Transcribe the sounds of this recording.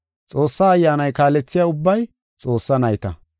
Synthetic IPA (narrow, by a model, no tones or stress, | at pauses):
t͡sʼo̞ːsːaːjːaːnɐjkaːlɛt͡sːɪjaːʊbːɐj | t͡sʼo̞ːsːɐnɐjt̪ɐ̰